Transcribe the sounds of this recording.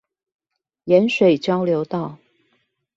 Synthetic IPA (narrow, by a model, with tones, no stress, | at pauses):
jɛ˧˦˥nʂwe˨˩ɪt͡ɕjɑ˥ʊljo˧˥ʊt̪ɑ˥˨ʊ